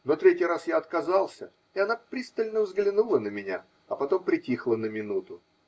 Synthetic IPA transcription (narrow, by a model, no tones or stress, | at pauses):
no̞t̪ɾʲetʲɪjɾasjaɐt̪̚kɐzalˠsʲə | ɪɐnapɾʲist̪əlʲnəvzɡlʲɪnulˠənəmʲɪnʲa̰ | ɐpɐt̪o̞mpɾʲɪtʲixlˠənəmʲɪnut̪ʊ